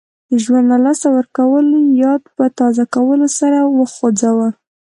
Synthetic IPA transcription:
d̪əʒwand̪lalɑsawəɾkawəljɑd̪̚pət̪ɑzakawəlosaɾawəxod͡zawəl

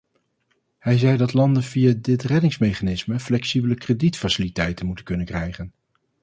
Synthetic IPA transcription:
hɛjzɛjdɑtlɑndənvijadɪtrɛdɪŋsmejχanɪsməflɛksibələkreditfasɪlitɛjtənmutənkɵnənkrɛjχən

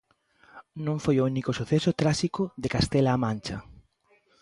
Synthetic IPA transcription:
nõŋfojounikʊsuθesʊt̪ɾaʃikʊðekast̪elaːmãnt͡ʃɐ̰

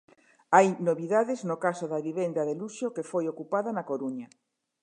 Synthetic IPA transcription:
ajnoβiðaðeznokasoðaβiβend̪aðeluʃokefojokupaðanakoɾuɲɐ

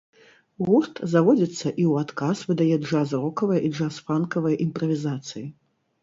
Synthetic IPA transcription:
ɣuʂt̪zavɔd͡zʲit̪sːɐʔiwat̪kasvɨd̪ajɛʐazrɔkɐvɐjiʐasfankɐvɐjʔimpɾɐvʲizat̪sɨji

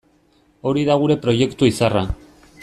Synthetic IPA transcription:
o̞ɾiðaɣ̞uɾe̞pɾo̞je̞kt̪uisara

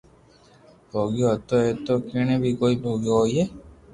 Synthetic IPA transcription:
bʱoːɡijoɦt̪oet̪okeñẽbʱikoːibʱoːɡijoɦojeː

